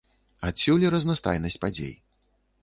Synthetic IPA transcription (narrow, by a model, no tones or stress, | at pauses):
at̪sʲulʲiɾɐznast̪a̰jnɐsʲt͡sʲpad͡zʲḛj